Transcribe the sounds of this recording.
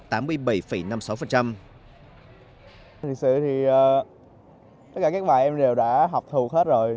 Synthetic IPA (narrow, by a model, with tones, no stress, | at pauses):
t̪aː˨˦mːɨ˧əjɓə˨˩jfə˨˩jna˧msa˨˦wfə˨˩nt͡ɕa˧m | t̪ʰi˨˩ək̚sɨ̰˧˨t̪ʰi˨˩ʔəː˨˩ | t̪ə˦˥kaː˧˩kaː˦˥k̚ɓaː˨˩jʔɛ˧mɗe˨˩wɗa̰ː˧˥ɦɔ˨˩wk͡p̚t̪ʰu˨˩k̚he˦˥t̚zo˨˩j